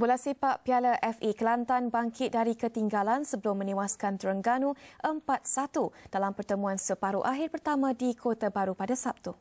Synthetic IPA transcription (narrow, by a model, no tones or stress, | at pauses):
bulasipaʔpialəʔɛfikəlant̪anbaŋkʰɪt̪̚daɾikət̪iŋɡalansəbəlʊmːə̃niwaskant̪əɾəŋɡanũʔəmpat̪̚sat̪ud̥alampərt̪əmũansəpaɾuʔaɦɪrpərt̪amãdikʰot̪abaɾupadasap̚t̪u